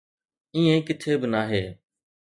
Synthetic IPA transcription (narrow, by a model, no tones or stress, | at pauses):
ĩːẽːkɪt̪ʰeːbɪnaːɦeː